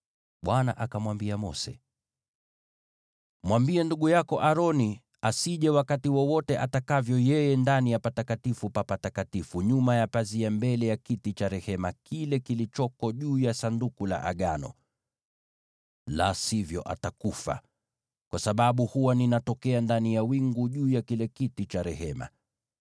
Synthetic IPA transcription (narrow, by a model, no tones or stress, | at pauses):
ɓwana̰ʔakamwambiamɔ̰sɛ̰ | mwambiɛnduɠujakɔʔaɾɔni | asiʄɛwakatiwɔwɔtɛʔatakavjɔjɛjɛndanijapatakatifupapatakatifuɲumajapaziambɛlɛjakitit͡ʃaɾɛhɛmakilɛkilit͡ʃɔkɔʄuːjasandukula̰ʔa̰ɠanɔ̰ | lasivjɔ̰ʔa̰takufa̰ | kwasaɓaɓuhuwaninatɔkɛandanijawiŋɡuʄuːjakilɛkitit͡ʃaɾɛhɛma̰